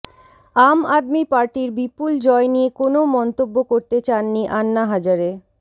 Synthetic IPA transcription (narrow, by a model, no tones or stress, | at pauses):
amad̪mipaɾʈiɾbipuld͡ʑɔenijekonomɔnt̪obːokoɾt̪et͡ɕanːiʔanːaɦad͡ʑaɾe